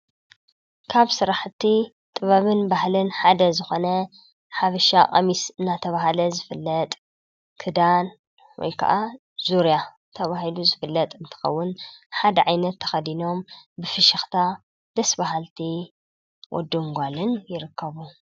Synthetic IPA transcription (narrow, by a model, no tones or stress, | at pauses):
kʰaβsɨɾaħt̪ʰi | t̪ʼɨβaβɨnbahlɨnħad̪ɐzɨxo̞nɐ | ħafɨʃakʼɐ̰misɨnːat̪ʰɐβahalɐzɨfɨlːɐt̪ʼ | kʰɨd̪an | wɔ̰jkʰɐ̰ʔa | z̥uɾja | t̪ʰɐβahɦiluzɨfɨlːɐt̪ʼɨnt̪ʰɨ̥xɐ̰wːʊnħad̪ɐʕajnɐt̪ʰːɐ̥xɐd̪ino̞mbɨfɨʃɐxt̪ʰa | d̪̥ɐsbaɦalt̪ʰi | wʔɔ̰d̪ːɨŋɡʷalɨnjɪɾɨkʰːɐβu